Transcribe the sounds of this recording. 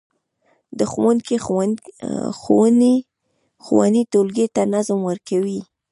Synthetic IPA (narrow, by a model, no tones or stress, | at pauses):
d̪əxwanke | xo̰wne | xo̰wa̰nit̪olɡet̪anazmwəɾkawi